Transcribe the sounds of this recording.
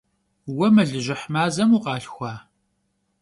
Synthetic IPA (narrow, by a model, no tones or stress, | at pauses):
wɐmɨɮɨʑʷɪħmaːzɐmuːqɑːɬxʷɑː